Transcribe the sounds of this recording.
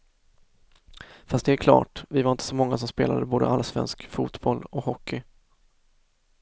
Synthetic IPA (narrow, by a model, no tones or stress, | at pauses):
fast̪̚d̪ɛæɾkʰlɑ̰ːʈvɪvaɾɪnt̪əsɔmɔŋːas̬ɔmspeːlad̪əboːd̪ə̰ʔalsvɛ̰nskfuːt̪bɔlɔhɔkʰːɪ